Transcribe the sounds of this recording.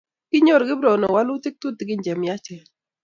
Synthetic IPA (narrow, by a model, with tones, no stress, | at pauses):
kɪ˦ɲo˦ɾɡɪ˦bɾɔ˨nɔ˨wa˦lʊ˦t̪i˦k̚t̪u˦t̪ɪ˨ɡɪ˦ɲd͡ʒɛ˨mja˦t͡ʃɛ˨